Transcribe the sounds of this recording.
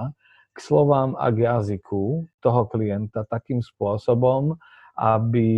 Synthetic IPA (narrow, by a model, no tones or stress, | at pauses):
kslɔʋaːma̰ɡjazikʰut̪ɔɦɔkliɛnt̪at̪akiːmspʊɔsɔbɔm | ʔabi